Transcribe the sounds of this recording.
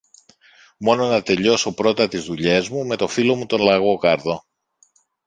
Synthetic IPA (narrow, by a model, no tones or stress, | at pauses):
mo̞no̞nɐt̪e̞ʎo̞so̞pɾo̞t̪ɐt̪izðuʎe̞zmume̞t̪o̞filo̞mut̪o̞nlɐɣo̞kɐɾðo̞